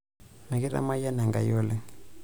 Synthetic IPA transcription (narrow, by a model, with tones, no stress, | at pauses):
mɛ˨kɛ˦ɾa̰˦ma˦ja˦na˨ŋɡa̰˨jɔ˦lɛ˦